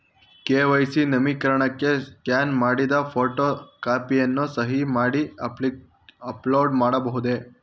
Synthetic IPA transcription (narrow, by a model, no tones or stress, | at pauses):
keːʋɐjsinɐmikɐɾɐɳɐkːeskjaːnmaːɽid̪ɐpʰoːʈokaːpijɐnːusɐɦimaːɽi | ɐploːɖmaːɽɐbɐɦud̪e